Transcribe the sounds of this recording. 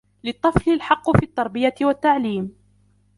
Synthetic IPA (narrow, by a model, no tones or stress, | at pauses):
lɨt̪ˤːɨflɪlħɑqːʊfiːt̪ːɑɾˤbɪjat̪ɪwat̪ːaʕliːm